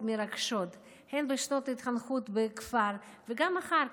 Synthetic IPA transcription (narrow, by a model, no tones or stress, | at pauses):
meɾaɡʃot̪ | henbeʃnot̪it̪χanχut̪bekfaɾ | veɡamaχaɾ